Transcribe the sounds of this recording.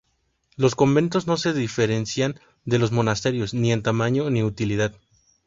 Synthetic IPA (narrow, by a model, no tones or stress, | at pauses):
lo̞sko̞mbẽ̞nt̪o̞zno̞se̞ðife̞ɾe̞nsjan | d̪e̞lo̞zmo̞nast̪e̞ɾjo̞znie̞nt̪amãɲo̞niut̪iliðað